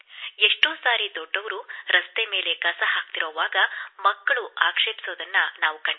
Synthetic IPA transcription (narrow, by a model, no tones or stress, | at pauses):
eʂʈoːsaːɾid̪ɔɖːɐʋɐɾuɾɐst̪eme̞ːle̞ɡɐsɐɦaːk̚t̪iɾoːʋaːɡɐmɐkːɐɭuaːkʂepi̥soːd̪ɐnːɐnaːʋukɐɳɖi